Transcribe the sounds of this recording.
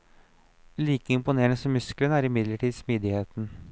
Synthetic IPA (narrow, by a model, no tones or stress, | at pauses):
liːkəɪmpʊneːəɳəsɔmʉsklənəæɾɪmɪd̪ləʈʰiːd̪smiːd̪ɪheːt̪n̩